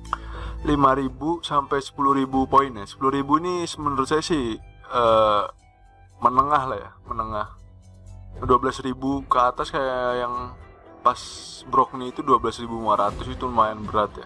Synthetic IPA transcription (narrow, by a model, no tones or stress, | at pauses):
limaɾibusampɛjsə̥pulʊhɾibupoinjasə̥pulʊhɾibuinisəmənəɾut̪̚sajasɪhəː | mənəŋahlaja̰mənəŋah | duabəlasribukəat̪askajjaŋpasbɾɔk̚niːt̪uduabəlasribunumaɾat̪ʊsit̪umajanbəɾat̪ja̰